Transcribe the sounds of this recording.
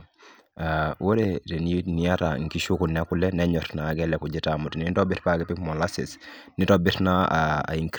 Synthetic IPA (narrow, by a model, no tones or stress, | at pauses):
awoɾetenniataŋkiʃukunɛkulɛnɛɲɔtnaɡɛlɛkuɟitamutnitɔbitpaɡɛpikmɔlasḭs | nitɔbitnaaa̰iŋk